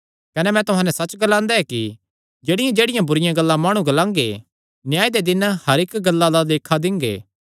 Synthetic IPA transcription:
kɐnɛmɛ̃t̪ʊɦãːnɛsɐt͡ʃɡɐlãːnd̪aɦɛki | d͡ʒeːɽɪjãd͡ʒeːɽɪjãbʊɾɪjãɡɐlːãmaːɽ̃ũɡɐlãːŋɡe | njaːid̪ed̪ɪnhɐɾɪkɡɐlːad̪ad̪eːkʰad̪ɪ̃ŋɡḛː

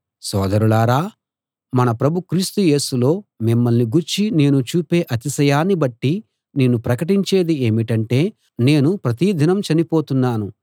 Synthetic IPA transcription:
sɔːd̪ɐɾulaːɾaː | mɐnɐpɾɐbʱukɾiːst̪uje̞ːsulo̞ːmimːɐlniɡuɾt͡ʃine̞ːnut͡ʃuːpe̞ːʔɐt̪isɐjaːnːibɐʈːi | neːnupɾɐkɐʈiɲt͡ʃe̞ːd̪ie̞ːmiʈɐɳʈe̞ː | ne̞ːnupɾɐt̪id̪ʱinɐmt͡ʃɐnipo̞ːt̪unːaːnu

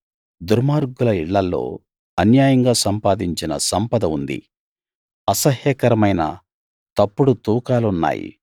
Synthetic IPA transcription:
d̪uɾmaːɾɡulɐiɭːɐlːo̞̰ː | ɐnjaːjɐŋɡaːsɐmpaːd̪iɲt͡ʃinɐ̰sɐmpɐd̪ɐund̪ḭ | ɐsɐɦjɐkɐɾɐmɐjnɐ̰ | t̪ɐpːuɽut̪uːkaːluunːa̰ːjḭ

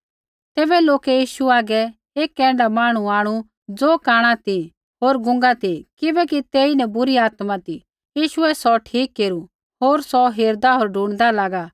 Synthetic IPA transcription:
t̪ɛːbɛloːkɛjiːʃuaːɡɛ | eːkːɛ̃ːɳɖamaːɽ̃uaːɽ̃u | d͡zoːkaːɽ̃at̪i | ɦoːɾɡʊ̃ŋɡat̪ikɪbɛkit̪eːinɛ̃bʊɾiaːt̪mat̪i | jiːʃʊɛsɔʈʰiːkːeːɾu | ɦoːɾsɔɦeːɾd̪aɦoːɾɖʱũːɽ̃d̪alaːɡaː

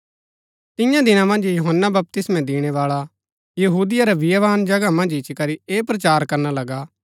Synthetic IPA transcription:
t̪ɪ̃jãd̪ɪnãmɐ̃nd͡ʒjuɦənːabɐp̚t̪ɪsmɛ̃d̪iːɽ̃eʋaːɭa | jɐɦuːd̪ɪjaɾaʋɪjɐʋaːnd͡ʒɐɡamɐ̃nd͡ʒɪt͡ʃkɐɾieːpɾɐt͡ʃaːɾkɐɾnalɐɡaː

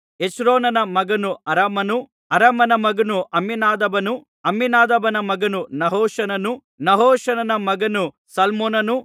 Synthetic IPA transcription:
et͡ʃɾoːnɐnɐmɐɡɐnuɐɾɐmɐnu | ɐɾɐmɐnɐmɐɡɐnuʔɐmːinaːd̪ɐbɐnu | ɐmːinaːd̪ɐbɐnɐmɐɡɐnunɐɦoːʂɐnɐnu | nɐɦoːʃɐnɐnɐmɐɡɐnu | sɐlmoːnɐnu

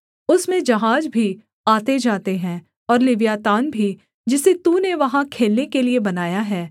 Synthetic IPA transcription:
ʊsmẽd͡ʒɐɦaːd͡ʒbʱi | aːt̪ed͡ʒaːt̪eɦɛ̃ː | ɔːɾlɪʋjaːt̪aːnbʱi | d͡ʒɪset̪uːneʋɐɦãkʰeːlnekeliebɐnaːjaɦɛː

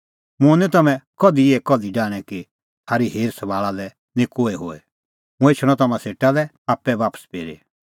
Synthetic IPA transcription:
mʊ̃nit̪ɐmɛ̃kɔd̪ieːkɔd̪iɖaːɽ̃ɛki | haːɾiɦeːɾsɐbaːɭalɛ | nĩkoːeɦo̰ːɛ̰ | mʊ̃ɛt͡ʃʰɽ̃ɔ̃t̪ɐmãseːʈalɛ | aːpɛʋaːpə̥speːɾḛ

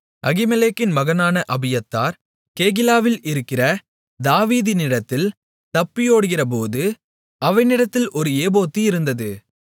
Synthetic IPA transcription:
ʔɐɣɪmɛleːkːɪnmɐɣɐnaːnɐʔɐbɪjɐt̪ːaːɾ | keːɣɪlaːʋɪlɪɾɯkːɪrɐ | d̪aːʋiːðɪnɪɽɐt̪ːɪl | t̪ɐpːɪjoːɽɯɣɪrɐp̬oːðɯ | ʔɐʋɐɪnɪɽɐt̪ːɪlɔɾɯeːboːt̪ːiɪɾɯnd̪ɐðɯ

